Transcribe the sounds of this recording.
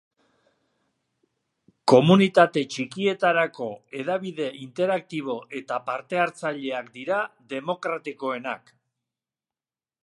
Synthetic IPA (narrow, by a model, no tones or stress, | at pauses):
ko̞munit̪at̪e̞t͡ʃikie̞t̪aɾako̞e̞ðaβiðe̞ʔint̪e̞ɾak̚t̪iβ̞o̞ʔe̞t̪apaɾt̪e̞aɾt͡saʎe̞akd̪iɾad̪e̞mo̞kɾat̪iko̞e̞nak